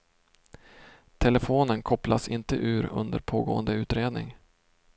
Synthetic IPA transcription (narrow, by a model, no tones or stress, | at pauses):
t̪ʰɛləfoːnənkʰɔplasɪnt̪əʔʉ̟ːɾɵ̰nd̪əɾpʰoːɡo̰ːənd̪əʉ̟ːt̪ɾeːd̪nɪ̰ŋ